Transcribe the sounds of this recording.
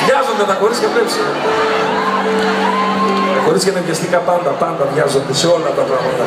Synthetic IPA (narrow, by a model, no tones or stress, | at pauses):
ʝɐzo̞nd̪et̪ɐxo̞ɾiscepepsi | ɐxo̞ɾiscenɐmɟest̪ikɐpɐnd̪ɐpɐnd̪ɐðʝɐzo̞nd̪eseo̞lːɐt̪ɐp̪ɾɐɣɐd̪ɐ